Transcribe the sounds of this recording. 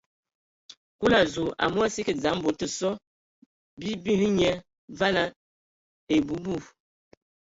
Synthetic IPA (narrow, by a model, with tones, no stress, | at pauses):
ku˦la˨zu˨a̰˨mu˦a˦si˦ki˨d͡za˨˦m˦bo˨tə˨sɔ˦ | bi˦bi˦hi˦ɲɛ˦ | va˦la˦ | e˨bu˨˦bu˦˨